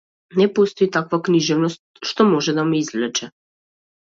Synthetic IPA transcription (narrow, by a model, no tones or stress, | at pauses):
nɛpɔst̪ɔit̪akvakniʒɛvnɔst̪ʃt̪ɔmɔʒɛd̪amɛizvlɛt͡ʃɛ